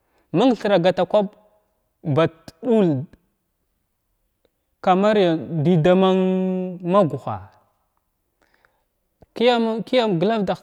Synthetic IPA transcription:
ma˦ŋ˨ɬə˨ɾa˨ɡa˨ta˨kʷa˦b̚ | ba˨tɗu˦l | ka˨ma˦ɾi˦ja˨di˨da˨ma˦ŋma˦ɡu˨xa̰˨ | ki˦ja˦m˦ki˦ja˦mɡla˦vda˨

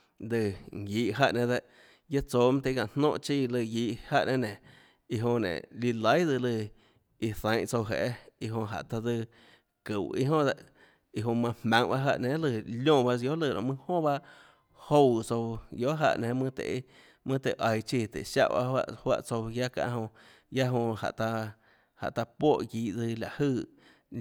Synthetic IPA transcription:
d̪ɨ˧ŋ˨jiː˧˨ʔɦa˧ʔnẽ˧d̪e˧ʔ | ja˦t͡soː˧˨mã˦t̪e˧˦˧kã˧˨n̥nõ˧ʔt͡ʃi˧˨lɨ˧˨jiː˧ʔha˧˨ʔnʔẽ˦nẽ˨ | i˧ɦõ˧nḛ̃˨li˧lə˦jd̪ɨ˧lɨ˧ | i˧θə̃˨˦j̃ʔt͡so˧wɦḛ˨ʔe˦i˧ɦõ˧ɦa̰˨ʔt̪a˧d̪ɨ˧ | kɨ˨wḭ˦ɦõ˦d̪a˧ʔ | i˧ɦõ˧mã˧hmã˨˦ŋba˦ɦa˧˨ʔnẽ˨˦lɨ˧˨ljõ˦˧˨ba˧jo˦lɨ˧˨ɾʔõ̰˧˨ʔmɨ̃˧hõ˦ba˦ | ho˧˨wt͡so˧wjo˦ʔɦa̰˧ʔnẽ˨˦mɨ̃˦t̪ḛ˨ʔ | mɨ̃˦˧t̪e˨ʔa˨jt͡ʃi˧˨t̪ḛ˨ʃa̰˦˧ʔba̰˦wa̰˧ʔhwa̰˧ʔt͡so˧wja˦kã̰˧ʔɦõ˧ | ja˦ɦõ˧ha̰˨ʔt̪a˧ | ha̰˨ʔt̪a˧pwo˦˨ɡiː˨˦ʔd͡zɨ˧la˨ʔhɨː˧˨

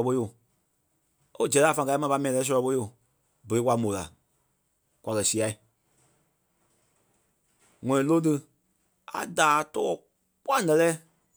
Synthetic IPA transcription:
ɓo˧˦jo˨ | o˦d͡ʒɛ˨laː˦˨fã˧˨˧a˧˦mã˧pa˧˦mɛ̃˨lɛː˧˦sɔ˧lɔ˧ɓo˧˦o˨ | bə˨e˨˦kwʷa˧˨mõ˨la̰˨ | kʷwʷa˨˧kɜ˨si˧˨a˨i˨ | ŋɔ̃˨nĩ˨lo˦t̬ɨ˧ | a̰˨daː˨tɔ˧˦ | kwa˦˨nɛ̃˧lɛː˦

